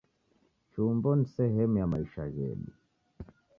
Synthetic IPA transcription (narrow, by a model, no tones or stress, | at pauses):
t͡ʃumbɔnisɛɦɛmujamaiʃaɣɛ̰ɗṵ